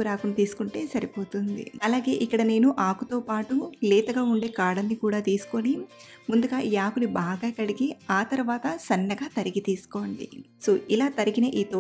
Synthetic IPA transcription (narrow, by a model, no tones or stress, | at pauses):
uɾaːkunɐt̪iːsu̥kuɳʈe̞ːsɐɾipo̞ːt̪und̪ḭɐlaːɡe̞ːʔikːɐɽɐne̞ːnuʔaːkut̪o̞ːpaːʈuleːt̪ɐɡaːuɳɖe̞ːkaːɽɐnːikuːɽaːt̪iːsu̥konimund̪uɡaːijaːkunibaːɡaːkɐɽiɡiaːt̪ɐɾʋaːt̪ɐsɐnːɐɡaːt̪ɐɾiɡit̪iːsu̥ko̞ːɳɖḭso̞ːʔilaːt̪ɐɾiɡinɐʔiːt̪oː